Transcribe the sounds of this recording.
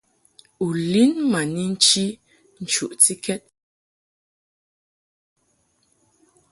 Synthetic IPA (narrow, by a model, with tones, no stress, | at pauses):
u˨li˦nma˨ni˦n̩˦t͡ʃi˦ | n̩˨t͡ʃu˨ʔt͡si˦kɛ˦t̚